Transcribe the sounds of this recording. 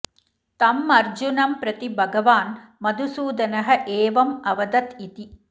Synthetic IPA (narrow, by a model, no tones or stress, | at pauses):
t̪ɐmːɐɾd͡ʒunɐmpɾɐt̪ibʱɐɡɐʋaːnmɐd̪ʱusuːd̪ɐnɐɦɐ̆ʔeːʋɐmɐʋɐd̪ɐt̪it̪i